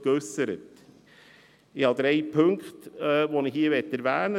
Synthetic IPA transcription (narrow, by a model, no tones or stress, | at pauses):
ɡøsəɾə̰t | ɪhɑd̪ɾeɪpʰɵŋktːvoːnɪhiːəvɛtːɛɾvæːnə